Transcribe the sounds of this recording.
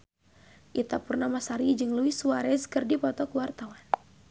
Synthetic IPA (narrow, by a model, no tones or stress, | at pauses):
ʔit̪apurnamasaɾid͡ʒɨŋluisuwaɾɛskɨrdipɔt̪ɔkuwart̪awan